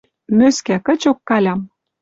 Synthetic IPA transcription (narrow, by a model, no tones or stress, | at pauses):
møskækə̆t͡ɕokːɑlʲɑm